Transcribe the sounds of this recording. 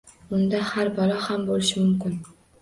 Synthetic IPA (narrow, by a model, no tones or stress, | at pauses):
ʊnd̪ahaɾbɒlahambolɪʃɪmʊmkʲɪn